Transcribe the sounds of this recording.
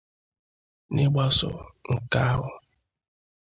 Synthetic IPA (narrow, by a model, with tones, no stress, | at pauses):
nɪ˦ɡ͡ba˦sʊ̰˨ŋ̩˨ka˦a˦ɦʊ˨